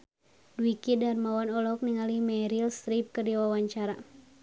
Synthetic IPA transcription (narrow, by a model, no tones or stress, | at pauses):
duwikidarmawanɔlɔk̚niŋalimɛɾilst̪ɾip̚kərdiwawaɲt͡ʃaɾa